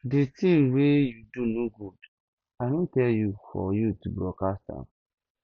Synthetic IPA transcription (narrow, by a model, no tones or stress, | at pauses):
ditĩmwejudunoɡud̥ | aɪnõntɛljufɔ̰jutubɹɔkasta̰